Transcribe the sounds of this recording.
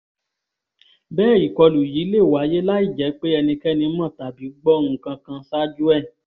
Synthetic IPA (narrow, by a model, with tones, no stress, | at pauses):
bɛː˦˨i˨kɔ˧lu˨ji˨˦le˦˨wa˨˦je˦la˦i˦˨d͡ʒɛ˨˦k͡pe˦ɛ˧nĩ˧kɛ˦nĩ˧˦mã˦˨ta˨bi˨˦ɡ͡bɔ˦˧nũ˧˨kã˧kã˧sa˦d͡ʒu˦ɛ˦˨